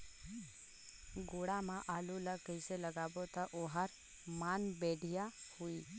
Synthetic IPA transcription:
ɡoɽamãʔaːlulakəɪseləɡaːbot̪aʔoɦaɾ | maːnbeːɽʱijahui

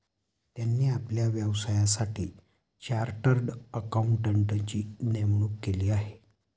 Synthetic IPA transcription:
t̪janːiːapljaʋjəʋsajasaʈʰḭː | t͡ɕaɾʈəɾɖəkauɳʈəɳʈət͡ɕiːnemɳuːkːeliːaɦe

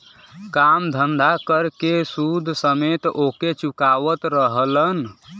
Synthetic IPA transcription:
kamd̪ʱənd̪ʱakəɾkesud̪ʱsəmet̪oket͡ʃukaʋət̪ɾəɦələn

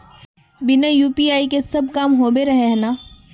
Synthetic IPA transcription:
bɪnajuːpiaːikesɐb̚ʱkaːmɦoːbeɾɐɦeɦnaː

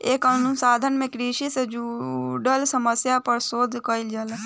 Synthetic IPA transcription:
ekənusaːd̪ʱənmẽkɾiʃised͡ʒuɖəlsəməsjapəɾsoːd̪ʱkəild͡ʒəl

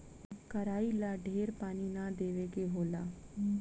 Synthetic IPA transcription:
kəɾaːiːlaːɖʱeːɾpaːniːnaːd̪eːʋeːɡeːɦoːlaː

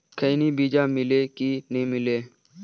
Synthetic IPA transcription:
kʰəːniːbiːd͡ʒaːmɪleːkinɦĩːmɪleː

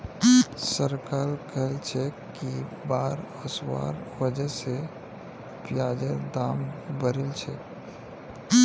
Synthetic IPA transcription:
səɾkaːlkəɦelt͡ʃʰɛ | kibaːɾəswa̰ːɾwəd͡ʒəse | pjaːd͡ʒəɾd̪aːmbəɾelt͡ʃʰɛ

